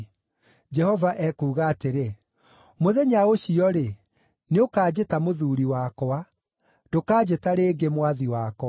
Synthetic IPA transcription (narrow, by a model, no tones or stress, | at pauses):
d͡ʒɛhɔvaʔɛkuːɣaːteɾe | moðɛɲaoɕiɔɾe | neokaːd͡ʑetamoðuɾiwakɔa | dokaːd͡ʑetaɾeːɡemwaðiwakɔa